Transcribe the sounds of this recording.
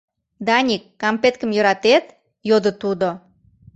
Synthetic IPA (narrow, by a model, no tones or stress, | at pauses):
d̪ɑnʲikːɑmpet̪̚kə̆mjøɾɑt̪et̪ | jod̪ət̪ud̪o